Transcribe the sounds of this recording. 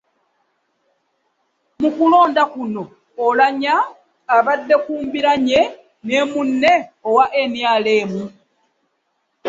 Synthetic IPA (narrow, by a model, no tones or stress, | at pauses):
mukulo̞ːndakuno̞ː | laɲaː | βadːe̞kuːmbiɾaɲe̞ | ne̞ːmunːe̞owaʔe̞njaːle̞ːmu